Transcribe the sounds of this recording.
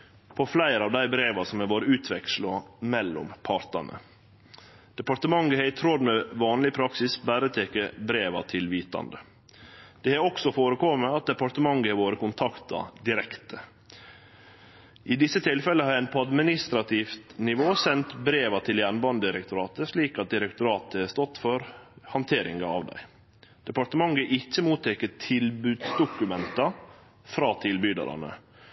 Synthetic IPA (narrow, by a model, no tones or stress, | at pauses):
pʰɔflæɪɾɑːʋd̪æɪbɾeːʋɑsɔmhɛːʋoːɾəʉːt̪ʰʋɛkslʊmɛlːɔ̰mpʰɑɾt̪ɑ̰nʔə̰ | d̪̥ɛpɑɾʈ̪əmɑŋɡəhæɾɪt̪ʰɾɔd̪mɛʋɑːnlɪpʰɾɑksɪsbæːɾət̪ʰeːkəbɾeːʋɑ̰t̪ʰɪlʋiːt̪ɑ̰nd̪ə | d̪̥ɛhæɾɔksɔfoːɾəkɔməɑt̪̚d̪ɛpɑɾt̪əmɑŋɡəhɛɾʋoːɾəkʊnt̪ʰɑkt̪ɑ̰d̪ɪɾɛkt̪ə | ʔɪd̪ɪsːət̪ʰɪlfɛləhɑɾænpʰɔɑd̪mɪnɪst̪ɾɑt̪ʰɪːft̪nɪʋoːsɛnt̪bɾeːʋɑt̪ʰɪljænbɑnd̪əd̪ɪɾɛkt̪ʊɾɑːt̪əʂliːkɑt̪̚d̪ɪɾɛkt̪ʊɾɑːt̪əhæst̪ɔt̪ːfɔɾhɑnt̪ʰeːɾɪ̰ŋɡɑɑ̰ʋd̪æ̰ɪ | d̪̥ɛpɑʈ̪əmɑŋɡəʔɪçːəmuːt̪ʰɛkːətʰɪlbʉːd̪sd̪ʊkʉmɛnt̪ɑ | fɾɑːt̪ʰɪlbyːd̪ɑ̰ɾɑ̰nə̰